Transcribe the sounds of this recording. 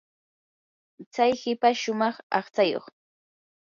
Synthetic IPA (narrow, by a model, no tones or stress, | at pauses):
t͡sajhɪpaʃʊmɑχɑ̰χt͡sajo̰χ